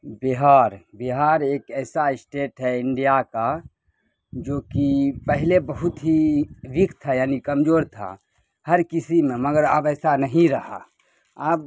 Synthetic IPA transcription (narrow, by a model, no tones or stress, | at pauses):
biɦaːɾbiɦaːɾeːkɛːsaɪsʈeːʈɦɛɪɳɖijaka | d͡ʒoːkipəɦɪlebəɦʊt̪ɦiʋikʰt̪ʰajaːnikəmd͡ʒoːɾt̪ʰa̰ | həɾkisimẽməɡəɾə̰bɛːsanəɦĩɾəɦa̰ | əb